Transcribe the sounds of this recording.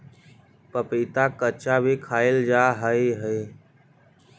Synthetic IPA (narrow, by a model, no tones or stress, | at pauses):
pəpiːt̪aːkət͡ʃaːbʱiːkʰaːɪld͡ʒaːɦəeːɦəeː